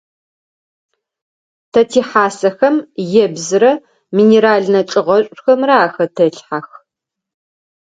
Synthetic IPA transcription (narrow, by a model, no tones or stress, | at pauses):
tʰɐtʰiːħaːsɐxɐmjɛbzɨɾɐ | miːneɾaːɮnɐt͡ʃʼɨʁɐɕʷʼxɐmraːxɐtʰɐɬħax